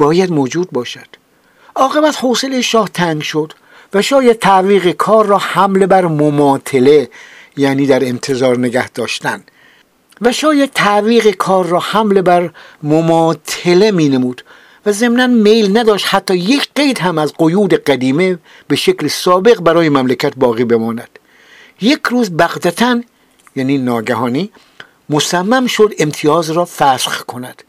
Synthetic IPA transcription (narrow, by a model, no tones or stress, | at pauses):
b̥ɒːjæd̪moːd͡ʒuːd̪̚bɒːʃæd̪̥ | ʔɒːɣe̞bæt̪hose̞lejeʃɒːht̪ʰæŋɡʃo̞d̪̥ | væʃɒːjæd̪̚t̪ʰæʔviːɣekʰɒːɾːɒːhæmle̞bæɾmomɒːt̪ʰe̞le̞ | jæːniːd̪æɾe̞nt̪ʰe̞zɒːɾne̞ɡæhd̪̥ɒːʃt̪ænd̪ | væʃɒːjæd̪̥̚t̪ʰæʔviːɣekʰɒːɾːɒːhæmle̞bæɾmomɒːt̪ʰele̞miːnemuːd̪̥ | væze̞mnænmejlnæd̪ɒːʃt̪hæt̪ʰːɒːjekʰɢe̞jd̪hæmæzɢojuːd̪eɢæd̪iːme̞ | b̥e̞ʃeclesɒːbe̞ɣbæɾɒːjemæmlekʰæt̪̚bɒːɣiːbe̞mɒːnæd̪̥ | je̞kʰɾuːzbæɣd̪æt̪ʰæn | jæːniːnɒːɡæhɒːniː | mosæmːæmʃo̞d̪e̞mt̪ʰijɒːzɾɒːfæsχkʰo̞næd̪̥